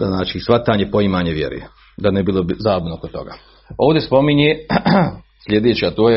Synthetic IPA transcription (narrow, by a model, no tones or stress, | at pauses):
znaːt͡ʃisʋat̪aːɲepo̞imaːɲeʋjḛɾṵje | d̪anebilˠobizaːbnookot̪ːo̞̰ɡa̰ː | oːʋd̪ʲespo̞miɲe | sʎʲe̞d̪eːt͡ɕat̪oːje